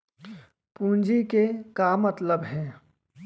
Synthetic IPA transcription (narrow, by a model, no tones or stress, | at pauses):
pũːnd͡ʒikekamət̪ləbɦɛ̃ː